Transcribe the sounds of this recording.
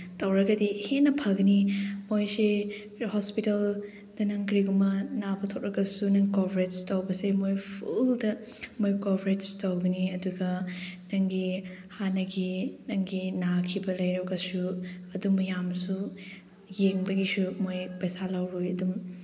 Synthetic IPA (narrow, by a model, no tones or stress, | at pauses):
tɐwɾɐɡɐdihenɐpʰɐɡɐnimojse | hospitɐl | dɐnɐŋkɾiɡumɐnabɐtʰok̚ɾɐɡɐsunɐŋkobʰʱɾet̚stɐwbɐsemojpʰuldɐ | mojkobɾet̚stɐwɡɐniɐduɡɐnɐŋɡi | hanɐɡinɐŋɡinakʰibɐlɐjɾɐɡɐsuɐdumɐjamsu | jeŋbɐɡisumojpɐjsalawɾojɐdum